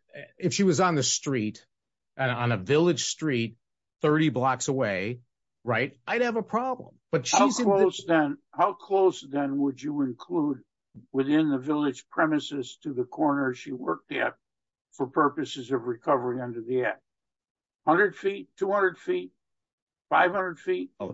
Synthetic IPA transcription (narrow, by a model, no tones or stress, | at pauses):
ɨfʃiwʌzn̩ðɨstɹ̥iɾ | ʔɨ̃ñnɨvɪlˠɨd̥ʒ̥stɹ̥it̪̚ | θɜ˞ɾiblɑksəweɪ | ɹaɪtaɪd̚ɨvəpʰɹ̥ɑblə̰̃mb̥ʌtʃhaiʊzɨ̃loʊsðɨ̃nhaʊkʰl̥oʊsðɨ̃nwəd͡ʒɨɪ̃nkʰl̥ud̚ | wɪθɪ̃nðɨvɪlˠɨd̥ʒ̥pʰɹ̥ɛmɨsɨstʰɨðɨkʰɔɹnə˞ʃiwɜ˞k̚tɨ̰t̚ | fə˞pʰɜ˞pɨsɨzʌvɹikʰʌvə˞iʌ̃ndə˞ðiɛ | hʌ̃ndɹɨd̥fitʰːuhʌ̃ndəd̥fit̚ | faɪv̥hʌ̃ndəd̥fit̚